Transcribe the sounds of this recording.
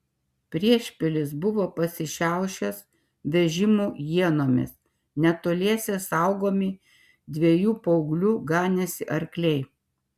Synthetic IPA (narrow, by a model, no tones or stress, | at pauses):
pʲɾʲiɛʃʲpʲɪlʲɪsbʊʋoːpɐsʲɪʃʲæˑʊʃʲɛs | ʋʲɛʒʲɪmuːjiɛnoːmʲɪ̰s | nʲɛt̪oːlʲiɛsʲeːsɐˑʊɡoːmʲɪ | d̪ʲʋʲeɛjuːpɐʊɡlʲuːɡɑːnʲɛsʲɪʔɐɾʲklʲɛɪ